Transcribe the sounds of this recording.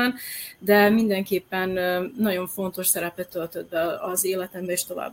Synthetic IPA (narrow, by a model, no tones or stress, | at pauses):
and̪ɛmind̪ɛŋkeːpːɛnːɒɟo̞ɱfo̞nt̪o̞ʃsɛɾɛpɛt̪ːølt̪ød̪̚bɛɒzeːlɛt̪ɛmbɛeːʃt̪o̞va̰ːbː